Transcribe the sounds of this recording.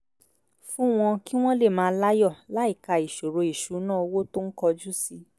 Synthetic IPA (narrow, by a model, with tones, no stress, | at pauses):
fũ˦w̃ɔ̃˧ki˦w̃ɔ̃˦le˦˨mãː˨˧˦la˦jɔ˦˨la˨˦i˦˨ka˨i˨ʃo˨ɾo˨˧i˨ʃu˨˦nãː˦o˧wo˦to˦n̩˦kɔ˧d͡ʒu˦si˧